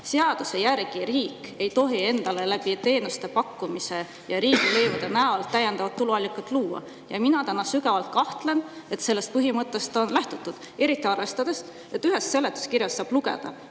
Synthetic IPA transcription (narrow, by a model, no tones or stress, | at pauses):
seɑd̪̥use̞jæɾɡ̥iɾiːke̞jt̪o̞ɦie̞nd̪̥ɑle̞læb̥it̪e̞ːnust̪e̞pɑkːumise̞ | jɑɾiːɡ̥ile̞jvud̪̥enæolt̪ːæjːend̪̥ɑvɑt̪ːuluɑlʲːikːˑɑt̪ːˑluːɑ̰ | jɑminɑt̪ænːɑsykɑvɑlt̪̚kɑht̪le̞ne̞t̪se̞lːe̞st̪̚pɯɦimɤt̪ːˑe̞st̪o̞nlæht̪ut̪ːˑud̪̥ | e̞ɾit̪ˑːiɑrve̞st̪ɑd̪̥e̞s | e̞t̪ːyɦe̞sse̞lːet̪ːˑu̥skiɾjɑsːɑːb̥luɡe̞̰d̪̥ɑ̰